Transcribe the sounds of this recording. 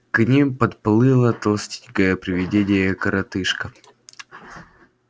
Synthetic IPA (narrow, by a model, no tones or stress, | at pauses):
knʲimpɐt̪plˠɨlˠət̪ɐlˠsʲtʲi̥ɲkəjəpɾʲɪvʲɪdʲedʲɪjəkəɾɐt̪ɨʂkə